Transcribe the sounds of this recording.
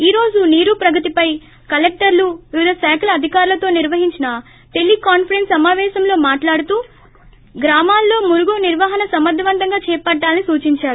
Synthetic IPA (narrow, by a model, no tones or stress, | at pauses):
iːɾo̞ːd͡ʒuniːɾupɾɐɡɐt̪ipɐj | kɐlek̚ʈɐɾluʋiʋid̪ʱɐsɛːklɐɐd̪ʱikaːɾulɐt̪o̞ːniɾʋɐɦiɲt͡ʃinɐ | ʈe̞lːikaːnpʰɐɾensɐmaːʋɛːʃɐmlo̞ːmaːʈlaːɽut̪uː | ɡɾaːmaːlːo̞ːmuɾuɡuniɾʋaːɦɐnɐsɐmɐd̪ʱɐʋɐnd̪ʱɐŋɡaːt͡ʃɛːpɐʈːaːlɐnisuːt͡ʃiɲt͡ʃaːɾu